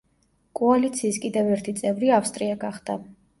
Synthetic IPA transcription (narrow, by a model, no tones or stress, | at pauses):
kʼɔalit̪sʰiːskʼid̪ɛvɛɾt̪ʰit̪sʼɛvɾiafst̪ʼɾiaɡaχd̪̥a